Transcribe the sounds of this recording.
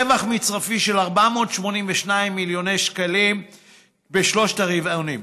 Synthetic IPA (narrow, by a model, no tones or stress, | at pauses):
evaχmit͡sʁafiʃe̞laʁbamo̞ːtʃmo̞nimveʃnaimːiljo̞nejʃkalim | beʃlo̞ʃtaʁivajonim